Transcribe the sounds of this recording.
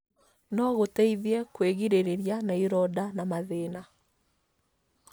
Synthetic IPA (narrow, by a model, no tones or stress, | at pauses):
nɔɣotɛiðiɛkweɣiɾeɾeɾjanaiɾɔdanamaðena